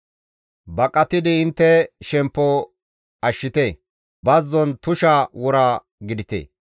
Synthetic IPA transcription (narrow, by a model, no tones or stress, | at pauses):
bɐkʼɐt̪ɪd̪ɪɪnt̪ːɛʃɛmpːɔ | ɐʃːɪt̪eː | bɐzːɔnt̪ʊʃawɔɾaː | ɡɪd̪ɪt̪ḛː